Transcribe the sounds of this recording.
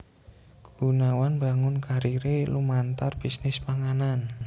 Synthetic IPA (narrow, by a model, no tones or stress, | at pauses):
ɡəbunawanbaŋʊnkaɾiɾelumant̪arb̥isnɪspaŋanan